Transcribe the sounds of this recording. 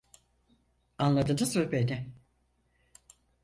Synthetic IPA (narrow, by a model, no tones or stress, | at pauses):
anlˠad̪ɯnasɯlʲˠbe̞nɪ